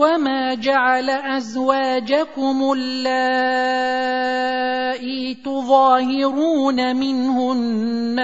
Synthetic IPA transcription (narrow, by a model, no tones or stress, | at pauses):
wamaːd͡ʒaʕalaʔazwaːd͡ʒakʊmʊlːa | ʔit̪ʊðˤɑːhɪɾuːnamɪnhʊnː | a